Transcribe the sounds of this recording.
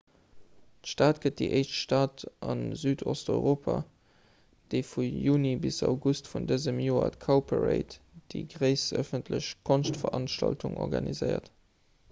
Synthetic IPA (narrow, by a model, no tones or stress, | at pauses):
tʃtaːtɡ̥ət̚d̥iʔəɪʃtʃtaːtʔɑnzyːdʰɔstɔʏʁoːpʰa | d̥eɪfujuːnibisɑ̰ʊɡustfundəzəmjoːɐ̰tkʰaʊpʰəʁḛɪt | d̥iɡʁəɪsə̰fəntʰləɕkʰonstfɐɑnʃtɑ̰ltuŋɔ̰ʁɡɑnizɜɪɐ̰t